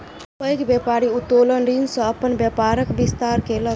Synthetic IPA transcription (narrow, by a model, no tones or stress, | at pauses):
pəjkbjepaɾiut̪ːolənɾinsə̃əpənbjəpaɾəkbist̪aɾkelə